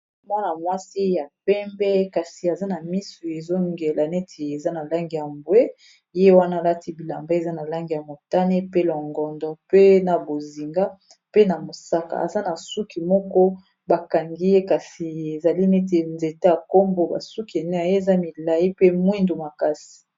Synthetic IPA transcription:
mwa˦na˨mwa˦si˦ja˨p̚ɛ˦mbɛ˦ka˨si˨a˨za˦na˨mi˦su˨e˨zo˦ŋɡe˨la˨ne˦tʰe˨e˨za˦na˨la˦ŋɡi˨ja˨mbwe˦ | je˦wa˦na˦˨la˦ti˦bi˨la˨mba˦e˨za˦na˨la˦ŋɡi˨ja˨mo˨ta˦ne˦pe˦lɔ˨ŋɡɔ˨ndɔ˨pe˦na˨bo˨zi˨ŋɡa˦ | pe˦na˨mo˨sa˦ka̰˨a̰˨za˦na˨su˦ki˨mɔ˦kɔ˦ | ba˨ka˨ŋɡi˦je˦ka˨si˨e˨za˨li˦ne˦t̬e˨nze˨te˦a˨ko˦mbo˦ba̰˨su˦ki˨e˨ne˦a˨je˦˨za˦mi˨la˨ji˦pe˦mwi˦ndo˨ma˨ka˦si̥˨

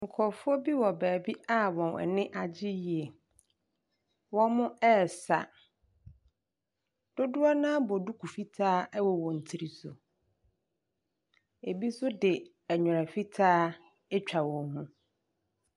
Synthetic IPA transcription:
ŋ̩˨kʰɔ˨fʊ˦ɔ˦bi˦wɔ˨bæː˨bi˦a˦wɔ̃˨nɛ̰˨nɪ̃˦ʔa˨d͡ʑɪ˦ji˨e˨ | wɔ̃˦mʊ̃˦ɛː˦˨sa˨ | d̥ʊ˦dʊ˦a˦nã˦bɔ˨du˦kʰu˨fi˦tʰaː˦ɛ˦wɔ˨wɔ̃˨n̩˨tʰi˨ɾi˨sʊ̰˨ | e˨bi˦sʊ˦dɪ˨ | ɛ˨ɲᶣʊ˨ɾa˨fi˦tʰaː˦ | ɛ˦t͡ɕᶣa˨wɔ̃˨hũ˦

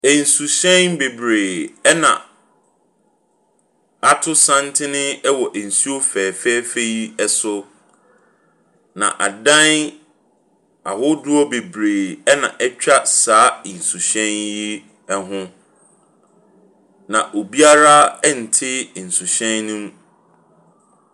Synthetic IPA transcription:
e˨n̩˨su˨ɕɛ̃˦nbe˨bɾeː˨ɛ˦nã̰˨ | a˦tʰʊ˦sã˦ntʰɪ˦nɪ̃˦ɛ˦wɔ˨ʔæ˨n̩˨su˦o˦fɛː˨fɛː˦fe˦ji˦ɛ˦sʊ˦ | nã̰˨ʔa˨dã˦n | a̰˨hʊ˦dʊ˦ɔ˦be˨bɾeː˨ɛ˦nã˨ʔɛ˦t͡ɕᶣa˦saː˨˦˨n̩˨su˨ɕɛ̃˦nji˦ | ɛ˦ɦʊ̃˦ | nã˨ʔo˨bi˦a˦ɾa˦ɛ˦n̩˨tʰɪ˦˨n̩˨su˨ɕɛ̃˦nːũ˦m˦

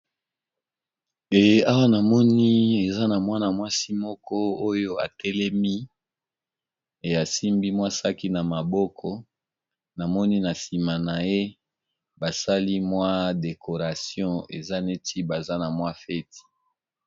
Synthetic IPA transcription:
e˨ja˦wa˦na˨mɔ˦ni˦e˨za˦na˨mwa˦na˨mwa˦si˦mɔ˦kɔ˦o˦jo˦a̰˨tɛ˦lɛ˦mi˦ | e˨a˨si˦mbi˦mwa˦sa˦ki˦na˨ma˨bɔ˦kʰɔ˦ | na˨mɔ˦ni˦na˨si˨ma˨na˨je˦ | ba˨sa˦li˦mwa˦de˨kʰo˨ʁa˨sjɔ̃˦ḛ˨za˦ne˦ti˦ba˨za˦na˨mwa˦fɛ˦ti̥˨

